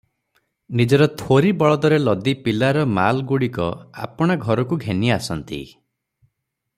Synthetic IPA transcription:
nid͡ʒɔɾɔt̪ʰoɾibɔɭɔd̪ɔɾelɔd̪ipilaɾɔmalɡuɽikɔ̰a̰pɔɽ̃aɡʱɔɾɔkuɡʱeniasɔnt̪ḭ

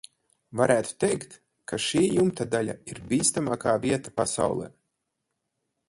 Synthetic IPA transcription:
vaɾʔæːt̪u̥t̪ɛjkt̪ | kʰaʃiːjumt̪ad̪alʲa̰iɾbiːst̪amaːkaːvʲiɛt̪apasa̰wlˠɛ̰ː

